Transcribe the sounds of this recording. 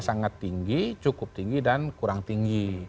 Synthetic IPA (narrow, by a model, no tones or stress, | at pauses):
saŋat̪ːiŋɡit͡ʃukʊp̚t̪iŋɡidankuɾaŋt̪iŋɡi